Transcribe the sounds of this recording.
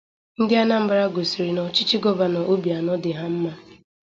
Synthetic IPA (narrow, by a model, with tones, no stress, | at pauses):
n̩˦dɪ˦a˦na˦m̩˦ba˦ɾa˦ɡo˨si˨ɾi˨nɔ˨t͡ʃi˦t͡ʃi˦ɡɔ˦ba˨nɔ˨ʔo˦bi˨a˨nɔ˦dɪ˨ɦa˦m̩˦ma˦